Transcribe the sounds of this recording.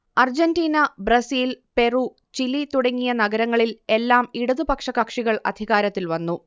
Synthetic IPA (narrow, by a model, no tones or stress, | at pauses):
ɐrd͡ʑɐndiːnɐbrɐsiːlpe̞ruː | t͡ɕilit̪uɽɐŋːijɐnɐɡɐɾɐŋːɐɭile̞lːaːmiɽuðubɐkʂɐkɐkʂiɣɐɭɐ̰d̪ʱiɣaːɾɐt̪ːilʋɐnːu